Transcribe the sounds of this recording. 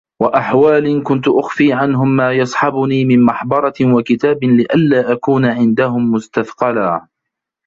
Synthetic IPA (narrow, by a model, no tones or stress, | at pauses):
waʔaħwaːlɪnkʊnt̪ʊʔaxfiːʕanɦʊmːaːjɑsˤħɑbʊniːmɪnmɑħbɑɾˤɑwakɪt̪aːbɪlɪʔalːaːʔakuːnʕɪnd̪ahʊmːʊst̪aθqɑlaː